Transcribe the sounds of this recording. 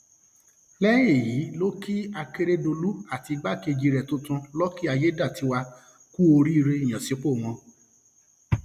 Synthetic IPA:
lɛ˦e˦˨ji˨˦lo˦ki˦a˧ke˧ɾe˦do˧lu˦a˦˨ti˧ɡ͡ba˦˨ke˧d͡ʒi˧ɾɛ˨tũ˦tũ˧lɔ˦ki˦a˧je˦da˦˨ti˨˧˦wa˧ | ku˦o˧ɾi˦i˧ɾe˧i˨j̃ã˨si˨˦k͡po˦˨w̃ɔ̃˧

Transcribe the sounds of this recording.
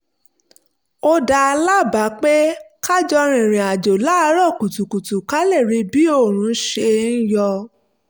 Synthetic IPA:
o˧da˧la˦˨ba˨˦k͡pe˦ka˦d͡ʒɔ˧ɾ̃ĩ˨ɾ̃ĩ˨a˨d͡ʒo˨la˦˧˦ɾɔ˦˨ku˨tu˨ku˨tu˨ka˦le˦˨ɾi˧˦bi˦o˦˨ɾ̃ũ˨˦ʃe˧n̩˦jɔ˧

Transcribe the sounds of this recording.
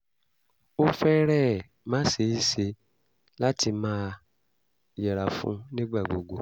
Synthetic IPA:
o˦fɛ˦ɾɛ˦˨ | mãː˦se˧˦i˦˨se˧ | la˦ti˧mãː˦ | jɛ˨ɾa˨fṵ̃˦nĩ˦ɡ͡ba˦˨ɡ͡bo˨ɡo˨

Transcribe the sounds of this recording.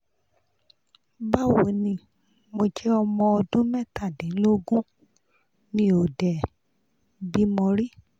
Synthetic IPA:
ba˦wo˨nĩ˧ | mo˧d͡ʒɛ˦ɔ˧mɔ̃˧ɔ˧dũ˦mɛ̃˦˨ta˦˨dɛ̃˨˦lo˦ɡũ˦ | nĩ˧˦o˨dɛ˨ | bi˦mɔ̃˧ɾi˦

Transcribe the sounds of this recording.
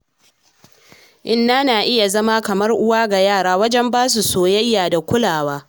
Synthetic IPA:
ʔɪ˦nːaː˦naː˨ʔɪ˦ja˨zɐ˦maː˦kɐ˨mɐ˦rʔʊ˦waː˦ɡa˨jaː˦˨ɽaː˦wɐ˦d͡ʒɛ˦mbaː˦s̬u˨soː˨jɐ˦jːaː˨da˨kʷʊ˦laː˨waː˦

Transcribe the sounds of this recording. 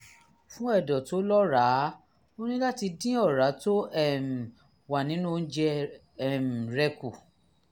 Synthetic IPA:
fũ˦ɛ˦˨dɔ˨to˨˦lɔ˦ɾa˨˦ | o˦nĩ˦la˦ti˧dĩ˦ɔ˦˨ɾa˨˦to˦ɛ˦˨m̩˨ | wa˨nĩ˨˦nũ˦˧n̩˦d͡ʒɛ˧ | ɛ˦˨m̩˨ɾɛ˧ku˨

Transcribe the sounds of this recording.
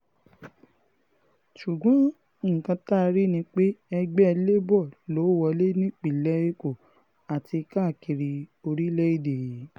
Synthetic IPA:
ʃu˨ɡ͡bɔ̃˨˦ | ŋ̩˨kã˧˦ta˦˧ɾi˦nĩ˧k͡pe˦ɛ˧ɡ͡bɛ˦˧le˦bɔ˦˨lo˨˦wɔ˧le˦nĩ˦˨k͡pi˦˨lɛ˦e˦ko˦˨ | a˨ti˧ka˦˨ki˨ɾi˧o˧ɾi˦lɛ˦i˦˨de˨˦

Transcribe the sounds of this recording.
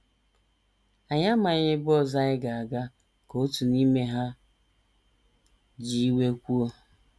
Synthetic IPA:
a˨ɲa˦ma˨ɲɪ˦bɔ˦˨za˦ɲɪ˦ɡa˨a˨ɡa˦ | ko˨o˦tu˨ni˦me˦ɦa˦ | d͡ʒi˦i˦we˦kʷu˦o˦

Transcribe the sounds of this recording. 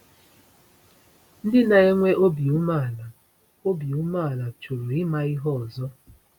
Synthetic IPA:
n̩˦dɪ˦na˨e˦ŋʷe˦ʔo˦bi˨u˦ma˦˨la˨ | o˦bi˨u˦ma˦˨la˨t͡ʃo˨ɾo˨ɪ˦ma˦i˦ɦɔ˦ɔ˨zɔ˦

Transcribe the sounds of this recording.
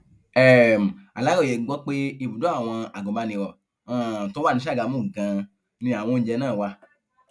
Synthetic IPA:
ɛ˨m̩˨a˨la˨˦ɡɔ˦˨jɛ˨˦ɡ͡bɔ˦k͡pe˦i˦˨bu˨do˨˦a˦˨w̃ɔ̃˧a˨ɡɔ̃˨ba˧nĩ˧ɾɔ˨ | ã˦˨to˦a˦˨nĩ˨˦ʃ̬a˦˨ɡa˨˧˦mũ˦˨ɡã˧ | nĩ˧a˨w̃ɔ̃˧˦d͡ʒɛ˧˦nãː˦˨wa˧

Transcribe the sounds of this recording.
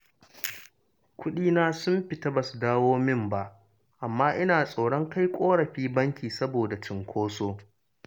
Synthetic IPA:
kʷʊ˦ɗiː˦naː˦sʊ˦mɸɪ˨ta˦ba˨su˨daː˦woː˦mɪ˦mba˦ʔ | ʔa˨mːaː˦ʔɪ˦naː˨sʼa˨wɽɔ˦ŋka˦jkʷʼoː˦ɽɐ˨ɸiː˦bɐ˦ŋkʲiː˨sɐ˦boː˨da˨t͡ʃɪ˨ŋkʷʰoː˦soː˦

